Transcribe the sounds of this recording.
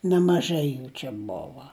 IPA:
nʲɛmɐˈʒɐɪ ˈjuː t͡ʃʲɛ ˈboːʋɐ

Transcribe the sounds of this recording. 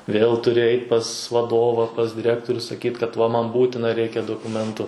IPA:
ʋʲeːlˠ tʊˈrʲɪ ˈɛɪtʲ pɐs ʋɐˈdoːʋɐ pɐs dʲɪˈrʲæːktoːrʲʊ sɐˈkʲiːt kɐt ʋɐ mɐn ˈbuːtʲɪnɐ ˈrʲɛɪkʲɛ doːkʊˈmʲɛntʊ

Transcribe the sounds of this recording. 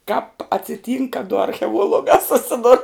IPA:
kɑːp ɐtʲsʲɪˈtʲiːŋk kɐ dʊ ɐrʲxʲɛˈuɔlˠʊɡɑː sʊˈsʲɪdʊr

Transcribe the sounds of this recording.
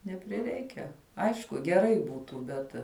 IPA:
nʲɛpʲrʲɪˈrʲɛɪkʲɛ ˈɐɪʃkʊ ɡʲɛˈrɐɪ ˈbuːtuː ˈbʲɛt

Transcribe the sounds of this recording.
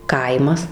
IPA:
ˈkɐɪmɐs

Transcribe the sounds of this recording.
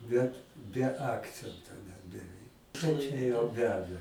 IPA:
ˈbʲɛt bʲɛ ˈɑːkt͡sʲɛntoː nʲɛt bʲɛˈʋʲɛɪk ˈt͡ʃʲɛ jɛʊ ˈʋʲæːdɐ

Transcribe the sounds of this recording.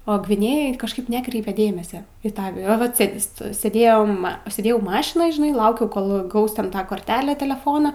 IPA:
oː ɡʋʲɪˈnʲeːjoːj kɐʃˈkɐɪp ˈnʲæːkrʲɛɪpʲɛ ˈdʲeːmʲɛsʲɛ iː ˈtɑː ɐ ʋɐt ˈsʲeːdʲɪ ˈstoːj sʲeːˈdʲeːjoːm sʲeːˈdʲeːjɛʊ ˈmɑːʃʲɪnoːj ʒʲɪˈnɐɪ ˈlˠɐʊkʲɛʊ ˈkoːlˠ ˈɡɐʊs tʲɛn ˈtɑː koːrʲˈtʲæːlʲæː tʲɛlʲɛˈfoːnoː

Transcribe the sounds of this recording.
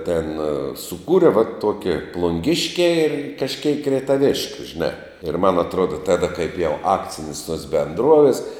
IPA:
tʲeːn sʊˈkuːrʲɛ ʋɐ ˈtoːkʲɛ plˠʊŋʲˈɡʲɪʃʲkʲæː ɪ kɐʃʲˈkʲɛɪk rʲɛɪtɐˈʋʲɪʃʲkʲʊ ʒʲɪˈnɑː ɪr mɐn ɐtˈruɔdɐ ˈtɑːdɐ kɐɪp jɛʊ ˈɑːkt͡sʲɪnʲɪs tuɔs bʲɛnˈdruɔʋʲɪs

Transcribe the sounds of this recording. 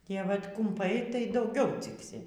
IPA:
ˈtʲiɛ ˈʋɐt kʊmˈpɐɪ tɐɪ dɐʊˈɡʲɛʊ ˈt͡sʲɪksʲɪ

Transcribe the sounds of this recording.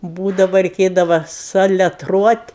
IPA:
ˈbuːdɐʋɐ rʲɛɪˈkʲeːdɐʋɐ sɐlʲɛˈtruɔtʲ

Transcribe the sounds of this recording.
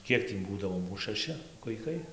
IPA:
ˈkʲiɛk tʲiː ˈbuːdɐʋoː ˈmuːs ʃɐˈʃʲɪ ʋɐɪˈkɐɪ

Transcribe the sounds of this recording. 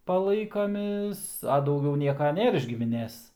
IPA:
pɐˈlˠɐɪkɐmʲeːs ɐ dɐʊˈɡʲɛʊ ˈnʲiɛkɐ ˈnʲeːr ɪʃ ɡʲɪmʲɪˈnʲeːs

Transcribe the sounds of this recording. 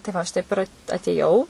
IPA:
tɐɪ ˈʋɐ ɐʃ ˈtɐɪp ɪr ɐtʲeːˈjɛʊ

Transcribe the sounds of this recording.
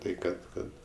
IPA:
ˈtɐɪ ˈkɐt ˈkɐt

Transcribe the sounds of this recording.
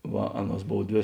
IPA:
ˈʋɐ ˈɑːˌnuɔs ˈboːw ˈdʲʋʲeː

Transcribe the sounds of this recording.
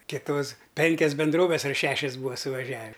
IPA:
kʲɪˈtoːs ˈpʲɛŋʲkʲɛs bʲɛnˈdroːʋʲɛs ɐr ˈʃʲæːʃʲɛs ˈbuːʋɐ sʊʋɐˈʒʲæːʋʲɪ

